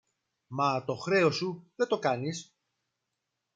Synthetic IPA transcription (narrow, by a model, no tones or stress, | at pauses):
mɐt̪o̞xɾe̞o̞suðet̪o̞kɐnis